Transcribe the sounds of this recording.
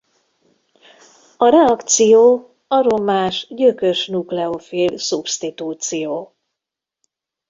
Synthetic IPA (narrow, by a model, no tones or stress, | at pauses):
ɒɾɛɒkt̪sijoː | ɒɾo̞maːʃɟøkøʃnuklɛofilsupst̪it̪uːt̪sijoː